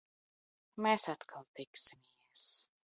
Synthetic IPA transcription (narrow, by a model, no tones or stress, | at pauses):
mesat̪kʰalˠt̪iksimiɛs